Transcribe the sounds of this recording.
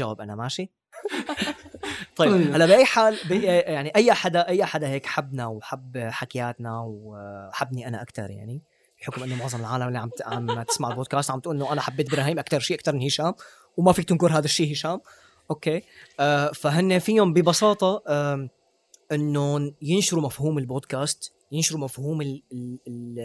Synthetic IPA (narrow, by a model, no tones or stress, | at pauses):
ʒawaːbʔanamaʃi | t̪ˤɑjalːabiʔajːħaːlbijaʕniʔajːʔaħad̪aʔajːʔaħad̪aɦeːkʔḁħabːnawħabħakajaːt̪nawaħabːniʔana̰ʔakt̪ɑ̰ɾˤja̰ʕni | ħʊkʊmʔɪnːomʊʕðˤɑmɪlʕaːlamʔɪlːiʕaʕamat̪ɪ̥smaʕɪlboːd̪̚kaːst̪ʕambt̪ʔuːlʔɪnːoʔanaʔħabːeːt̪̚bɾɑːɦiːmʔakt̪ɑɾˤʃiːʔakt̪ɑɾˤmɪnhiːʃaːm | wmafiːk̚t̪ɪnkʊɾɦaːd̪aʃːiːhiːʃaːm | ʔoːkeːʔafaɦɪnːefiʊmbɪbɑsɑːt̪ˤɑ | ʔɪnːojɪnʃʊɾumafhuːmɪlboːd̪kaːst̪ | jɪnʃʊɾumafhuːmɪ